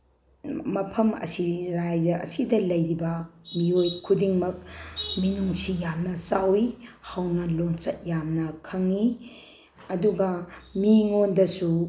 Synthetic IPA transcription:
mɐpʰɐmɐ̰siɾajzɐʔɐ̰sidɐlɐjɾibɐmiojkʰudiŋmɐk̚minuŋsijamnɐsawihawnɐlont͡ʃɐt̚jamnɐkʰɐŋi | ɐduɡɐmiŋondɐsu

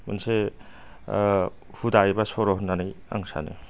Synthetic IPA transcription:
ma̰nse | hudajbasɔɾɔɦunːanɯja̰ŋsa̰nɯ̰

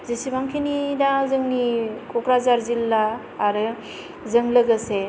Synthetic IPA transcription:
zisibaŋkʰenidazɯŋnikɔkɾazaɾzilːaː | ɾɯ | zɯŋlɯɡɯse

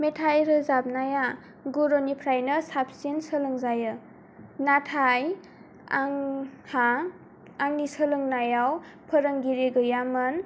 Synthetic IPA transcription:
metʰajɾɯzap̚naja | ɡuɾonipʰɾajnɯsap̚sensəlɯŋzajɯ | natʰaj | aŋhaː | ŋnisəlɯŋnajaw | pʰəɾəŋɡiɾeɡɯjamɯn

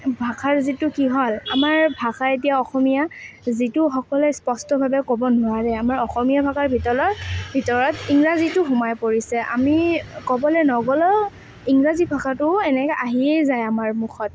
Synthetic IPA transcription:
bʱakʰaɹzitʊkiɦɔlamaɹbʱakaetijaɔxɔmijazitʊxɔkɔlɛspɔstɔbʱabɛkɔbɔnʊwaɹɛamaɹɔxɔmijabʱakaɹbʱitɔɹɔbʱitɔɹɔtiŋɹazitʊxʊmajpoɹisɛʔa̰mikɔbɔlɛnɔɡɔlɔ | iŋɹazibʱakʰatʊɛnɛkɛʔaɦiejzajamaɹmuxʰɔt̚

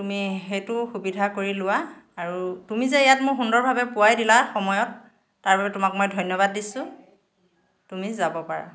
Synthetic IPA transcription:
tumiɦejtʊxubidʱakoɹilʊwaːɹutumizɛejatmʊxundɔɹbʱabɛpʊwajdilaxɔmɔjɔtː | aɹbabɛtʊmakmojdʱɔjnjɔbadːisʊ | tumizabɔpaɹa̰

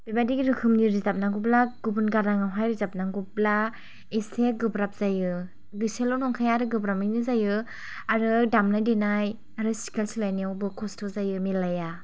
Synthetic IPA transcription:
b̥ibadiɡiɾɯkʰɯmniɾizap̚naŋɡublaɡ̥ubɯnɡaɾaŋawɦajɾizap̚naɡubla | iseɡɯbɾap̚z̥ajɯ | ɡɯselɔnɔŋkʰajaɾɯɡɯbɾaminɯzajɯ | aɾɯdamnajdenaj | aɾɯsi̥kelsilajniawbɯkʰɔstʰɔzajɯmilaja

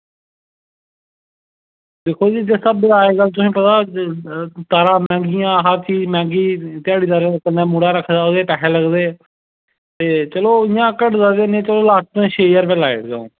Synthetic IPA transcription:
d̪eːkʰoːd͡ʒiːd͡ʒesəbaːeːɡəlt̪̬ʊsĩːpət̪aː | t̪aːɾãːmɛ̃ːŋɡɪjãːɦaːt͡ʃiːmɛ̃ːŋɡiːt̪ɪaːɽiːt̪aɾekənːeːmuːɽaːɾəkʰːd̪aːod̪eːpɛːɦɛːləɡd̪eː | t̪eːt͡ʃəloːɪjãːkəʈzaːd̪eːnẽːt͡ʃəloːlaːst̪ẽːʃeːjəɾpelaːɪʈɡa̰ːõː

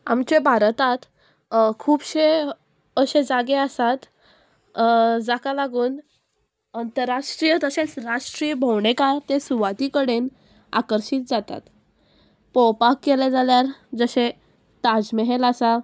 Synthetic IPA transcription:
a̰mt͡ɕebʱaɾt̪at̪ | kʰuːbɕe | əɕed͡zaɡeasat̪ | d͡zakalaɡuːn | ənt̪əɾːaʂʈɾijət̪əsẽt͡sɾaʂʈɾiːbʱəwɳekaɾt̪esuʋat̪ikəɽen | a̰kəɾɕiːt̪̚d͡zat̪a̰t̪ | pɔwpakːeled͡zaljaɾd͡zəɕe | t̪ad͡zmeɦelasa

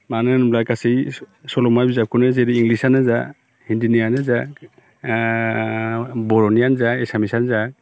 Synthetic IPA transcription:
manɯnumlakasisɔlɔmajbizap̚kʰunɯzeɾiːŋɡlisanɯza | hindinijanɯzak | bɔɾɔnijanzaesamisanzak̚

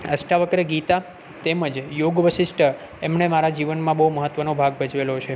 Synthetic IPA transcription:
əsʈaʋəkɾəɡit̪a | t̪eməd͡ʒjoɡʋəʃɪsʈʰə | emɳemaɾad͡ʒiʋənmãbəɦuməɦət̪ʋənobʱaɡ̚bʱəd͡ʒʋelot͡ʃʰe

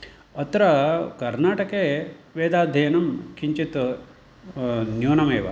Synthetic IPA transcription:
ɐt̪ɾɐkɐɾnaːʈɐkeːʋeːd̪aːd̪ʱɐjɐnɐmkiɲt͡ʃit̪ | njoːnɐmeːʋɐ̰

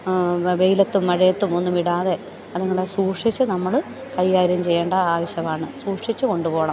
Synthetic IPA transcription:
ʋejlɐt̪ːumːɐɻɐjɐt̪ːumo̞nːumiɽaːðe̞ | ɐðuŋːɐɭesuːʂit͡ɕːɨnɐmːɐɭ | kɐjːaːɾumt͡ɕe̞jːeːɳɖɐaːʋɐɕjɐmaːɳɨsuːkʂit͡ɕːɨko̞ɳɖupo̞ːɐɳɐm

